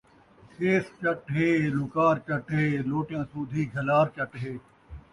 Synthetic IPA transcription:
keːst͡ʃəʈɦeːlʊkaːɾt͡ʃəʈɦeːloːʈɪjãːsuːd̪ʱiːɡʱɐlaːɾt͡ʃəʈɦeː

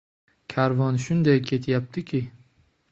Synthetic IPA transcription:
kʲʰaɾvɒnʃʊnd̪ajkʲʰe̞t̪ʰjap̚t̪ʰɪkʲʰɪ

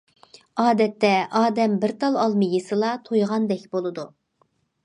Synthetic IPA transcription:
ɑːd̪ɛt̪ːɛʔɑːd̪ɛmbɪɾt̪ʰɑlˠɑlˠmɨjʲisɨlˠɑt̪ʰojʁɑnd̪ɛkʲbolˠɨd̪u

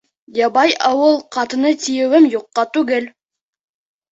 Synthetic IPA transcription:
jɑbɑjʔɑwɤlˠqʰɑt̪ə̆nət̪ʲʰijĕwɘmjuqːɑt̪ʉɡɘl

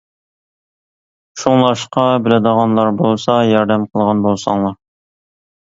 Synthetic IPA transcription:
ʃuŋlˠɑʃqɑbɪlɪd̪əʁɑnlˠɑɾbolˠsɑjɑɾd̪ɛmqʰəlˠʁɑnbolˠsɑ̰ŋlˠɑɾ

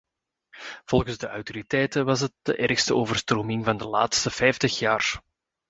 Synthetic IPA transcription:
v̥ɔlˠɣənzdəʔɑwtoɾitɛjtəʋɑsɦət̚d̥ə̰ʔɛrxstəoːvər̥stroːmɪŋvɑndəla̰ːtstəfɛjftəxjaːr

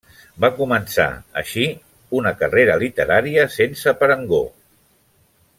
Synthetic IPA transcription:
bakumənsa̰ə̰ʃi | unəkəreɾəlit̪əɾaɾiəsensəpəɾəŋɡo̰

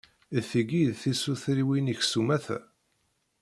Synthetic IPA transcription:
θiɡiðθisuθɾiwiniçsumæθæ̰

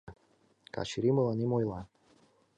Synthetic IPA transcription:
ka̰ʃiɾimɨlˠanimojlˠa

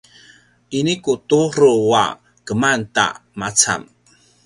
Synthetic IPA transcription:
ʔinikutuɾuwa̰ | kəmanta̰mat͡sa̰m

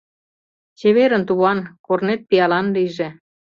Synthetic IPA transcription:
t͡ɕeβeɾə̆nt̪uβɑnkornet̪̚pijɑlɑnliʒe

